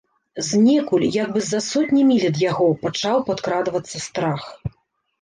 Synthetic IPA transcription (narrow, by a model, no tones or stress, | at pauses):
zʲnʲɛkulʲjaɡ̚bɨzɐsɔt̪ʲnʲimʲilʲɛd̪jaɣɔpat͡ʂawpat̪kɾad̪vɐt̪sːɐst̪ɾax